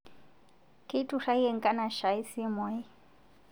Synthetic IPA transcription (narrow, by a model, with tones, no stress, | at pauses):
kʼe˦i˦tʼu˨ʂa˦i˦ɛ˦˨ŋ̩˦kʼa˦na˨ʃa˨˦i˦si˦mɔ˨˦i˦